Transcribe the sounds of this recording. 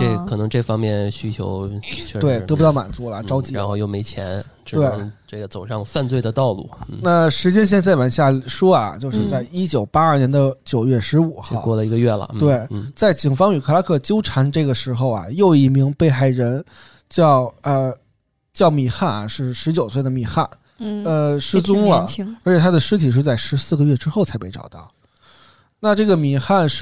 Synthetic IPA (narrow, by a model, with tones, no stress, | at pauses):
ʈ͡ʂe˥˩kʰɤ˨˩nɤ˧˥ŋʈ͡ʂɤ˥˩fɑ˥ŋmjɛ˥˩nɕy˥t͡ɕʰjo˧˥ʊt͡ɕʰɛ˥˩t̪we˥˩ɪt̪ɤ˧˥pu˧t̪ɑ˥˩ʊma̰˨˩nt͡su˧˥lɐ˨ʈ͡ʂɑ˥ʊt͡ɕi˧˥ɻa˧˥nxo˧jo˥˩ʊme˧˥ɪt͡ɕʰjɛ̰˧˥n | ʈ͡ʂ̩˥t̪we˥˩ɪ˧˥ʈ͡ʂɤ˥˩ɡə˩t͡so˨˩ʊʂɑ˥˧ŋfa˥˧nt͡swe˥˩ɪd̪ə˩t̪ɑ˥˧ʊlṵ˥˩˥na˥˩ʂɻ̩˧˥t͡ɕjɛ˥nɕjɛ˥˧nt͡sa˥˩ɪwa˨˩nɕja˥˩ʂɔ˥ɐ̰˩t͡ɕjo˥˧ʊʂɻ̩˥˧t͡sa˥˩ɪi˥t͡ɕjo˨˩ʊpa˥ɐ˞˥˩njɛ˧˥nd̪ə˧t͡ɕjo˨˩ʊɥɛ˥˩ʂɻ̩˧˥u˨˩xɑ˥˧˥kwɔ˥˩lə˩i˧˥ɡə˧ɥɛ˥˩lə̰˩t̪e˥˩ɪn̩˥˩t͡sa˥˩ɪt͡ɕi˨˩ŋfɑ˥ŋy˨˩kʰɤ˥˩la˧˥kʰɤ˥˩t͡ɕjo˥ʊʈ͡ʂʰa˧˥nʈ͡ʂɤ˥˩ɡə˩ʂɻ̩˧˥xo˥˧ʊɐ̰˩jo˥˧ʊi˧˥˩mi˧˥ŋpe˥˧ɪxa˥˩ɪɻə˧˥n | t͡ɕjɑ˥˧ʊə˧ | t͡ɕjɑ˥˩ʊmi˨˩xa˥˩n˩ʂɻ̩˥˩ʂɻ̩˧˥t͡ɕjo˨˩ʊswe˥˩d̪ə˩mi˨˩xa˥˩n | ə˧ʂɻ̩˥t͡sʊ˥ŋə˨˩ə˧˥t͡ɕʰɛ˨˩t̪ʰa˥d̪ə˨ʂɻ̩˥t̪ʰi˨˩ʂ̬ɻ̩˥˧t͡sa˥˩ɪʂɻ̩˧˥sɹ̩˥˩ɡə˩ɥɛ˥˩ʈ͡ʂɻ̩˥xʊt͡sʰa˧˥ɪpe˥˩ɪʈ͡ʂɑ̰˨˩ʊt̪ɑ˥˩ʊ | na˥˧ʈ͡ʂɤ˥˩ɡə˩mi˨˩xa˥˧nʂ